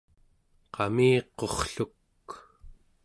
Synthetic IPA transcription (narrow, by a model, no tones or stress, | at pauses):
qɑmiːqo̞χɬuk